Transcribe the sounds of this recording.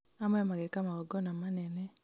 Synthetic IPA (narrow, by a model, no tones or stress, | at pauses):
amaɔmaɡɛkamaɡɔɡɔnamanɛnɛ